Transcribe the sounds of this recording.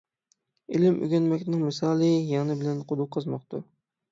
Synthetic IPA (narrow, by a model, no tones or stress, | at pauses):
ilɪmʔy̰ɡʲɛnmɛkʲnɪŋmɨsɑːlˠɨjɑnɨbɪlɛnqʰʊd̪ʊqʰːɑzmɑqt̪ṵ